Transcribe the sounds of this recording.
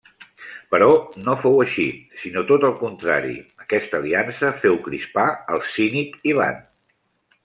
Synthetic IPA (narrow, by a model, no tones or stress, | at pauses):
pəɾɔnofowəʃisinot̪ot̪əlˠkunt̪ɾa̰ɾḭəkɛst̪əliansəfɛwkɾḭspaəlˠsinikiβa̰n